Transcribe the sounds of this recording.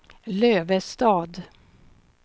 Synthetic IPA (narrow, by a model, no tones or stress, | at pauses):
løːvəst̪ɑːd̪